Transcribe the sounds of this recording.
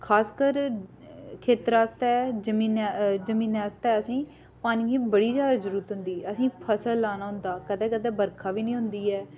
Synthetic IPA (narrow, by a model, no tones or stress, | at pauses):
kʰaːskəɾ | kʰeːt̪ɾaːst̪ɛːd͡ʒəmĩːnd͡ʒəmĩːnaːst̪ɛːəsĩː | paːniːiːbəɽiːzjaːd̪aːd͡ʒəɾuːɾət̪ɦʊ̃nd̪iːəsĩːpʰəsəlːaːnaːɦʊ̃nd̪aːkəd̪ɛːkəd̪ɛːbəɾkʰaːʋiːnĩːɦʊ̃nd̪iːɛː